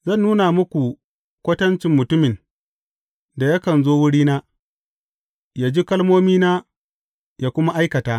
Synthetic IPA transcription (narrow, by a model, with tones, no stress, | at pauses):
zɐ˦˨nːuː˦na˨mʊ˦kʷu˨ | kʷɐ˦tɐ˦nt͡ʃɪ˨mːʊ˨tʊ˦mɪ˨n | da˨ja˦kɐ˨nzoː˦wʊ˦ɽiː˦naː˦ | jaː˨d͡ʒi˦kɐ˦lmoː˦miː˦naː˦ | jaː˦kʷʊ˦ma˦ʔa˦jkɐ˨taː˦